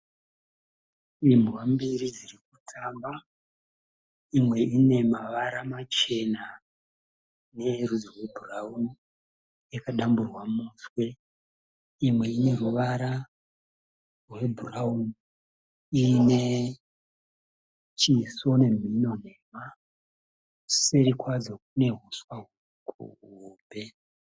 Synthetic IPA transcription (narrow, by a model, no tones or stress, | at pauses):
imuwambiɾid͡zirik̚utʰaːmba | imwe̞ine̞maʋaɾamat͡ʃe̞na | ne̞rud͡zorwe̞bʱurauni | jekaɗamburwamuswe̞ | imwe̞ine̞ruʋaɾa | rwebʱurauni | ine̞ | t͡ʃiso̞ne̞m̤ino̞ne̞ma | seɾikwad͡zok̚une̞ɦuswau | kʰṵuːbʱe